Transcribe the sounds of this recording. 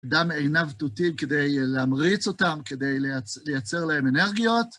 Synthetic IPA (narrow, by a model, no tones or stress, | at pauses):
damejnavtutimkɪdeɪlamʁit͡sotamkedeɪlat͡sləjat͡sɛʁlahɛmɛnɛʁɡiot